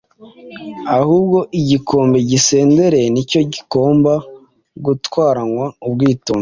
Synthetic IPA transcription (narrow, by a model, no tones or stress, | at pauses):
ahuːb̚ɡo̞ʔiɟikʰo̞ːmbeɟise̞ːnde̞ɾe̞nico̞ɟiko̞ːmba | ɡutwaːɾaŋwaubɡiːtuːm